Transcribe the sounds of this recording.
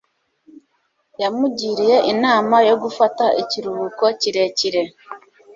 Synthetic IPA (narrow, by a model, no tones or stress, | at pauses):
jamuɟiɾijeʔinaːmajoɡufataʔiciɾuβukociɾeciɾe